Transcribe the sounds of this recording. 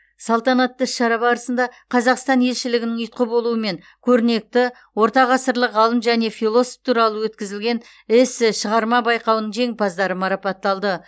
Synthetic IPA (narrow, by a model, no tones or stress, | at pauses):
sɑlˠt̪ɑnɑt̪ːəʃɑɾɑbɑɾəsənd̪ɑqʰɑzɑqst̪ɑnje̞lʃɪlɪɡʲɪnɪŋʏjt̪̚qəbo̞lˠuəme̞ŋ | kʲʰɵɾɪne̞k̚t̪ɪ | wo̞ɾt̪ɑʁɑsəɾlˠəqʁɑlˠəmʒæne̞fijlˠo̞so̥ft̪ʰuɾɑlˠəwɵt̪kʲɪzɪlɡʲe̞n | ɪsʃəʁɑɾmɑbɑjqɑwnəɴʒʰe̞ŋpʰɑzd̪ɑɾəmɑɾɑpɑt̪ːɑlˠd̪ə